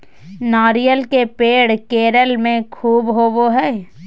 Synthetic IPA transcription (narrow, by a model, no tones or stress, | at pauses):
naːɾijəlkepeːɽkeːɾəlmẽkʰuːbɦoboɦɛː